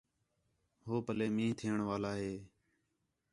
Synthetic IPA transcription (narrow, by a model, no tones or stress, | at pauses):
ɦoːpəleːmĩːt̪ʰiːəɳʋaːlaːɦeː